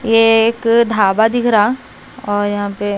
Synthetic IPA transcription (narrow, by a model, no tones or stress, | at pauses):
jeeːkd̪ʱaːbad̪ɪkʰɾa | ɔːɾjɐɦãpe